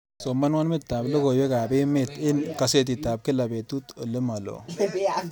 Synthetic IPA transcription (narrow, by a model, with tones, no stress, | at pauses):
so˨mːɐ˦nwa˦nmɨ˦t̪ːa˨blə˦ɡo˨je˦ka˨be˦me˦˨t̪ɪ˦nkɐ˨se˦t̪i˨t̪ːa˨b̚kɪ˦la˨be˨t̪u˦t̪o˨lɨ˦ma˨lo̰˨bi˦a